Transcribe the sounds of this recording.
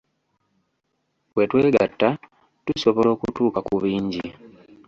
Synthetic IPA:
we̞tweːɡa̰tːa | tuso̞βo̞lo̞ːkutuːkakuβiːɲɟi

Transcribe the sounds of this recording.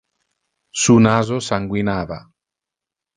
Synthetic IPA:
sunazosaŋɡwinaβa

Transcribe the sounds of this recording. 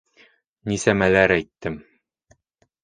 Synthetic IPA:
nisæmælæɾæjt̪ːɘm

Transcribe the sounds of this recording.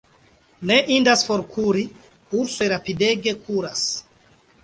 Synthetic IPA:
neʔindasfoɾkʰuɾi | uɾsojɾapideɡe̞kʰuɾas

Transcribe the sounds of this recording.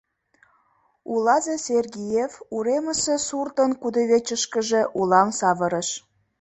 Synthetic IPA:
ulɑzeserɡijefuɾeməsesurt̪ənkud̪əβet͡ɕəʃkəʒe̽ʔulɑmsɑβəɾəʃ

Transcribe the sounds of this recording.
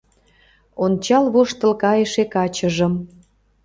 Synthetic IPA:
ont͡ɕɑlβoʃt̪ə̆lkɑjəʃekɑt͡ɕəʒə̆m

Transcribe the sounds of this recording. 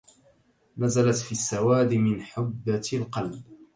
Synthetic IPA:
nazalat̪fiːsːawaːd̪mɪnħʊbːalqɑlb

